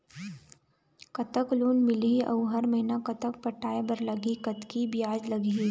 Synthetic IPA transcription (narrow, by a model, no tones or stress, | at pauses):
kɐt̪əkluːnmɪliʔɐ̰wɦɐɾməɦɪnakɐt̪ək̚pɐʈʰaːebɐɾlɐɡikɐt̪kibijaːd͡ʒlɐɡi